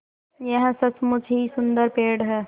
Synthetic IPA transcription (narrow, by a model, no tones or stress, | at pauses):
jəɦsət͡ʃmʊd͡ʒʱɦisʊnd̪əɾpeːɽɦɛː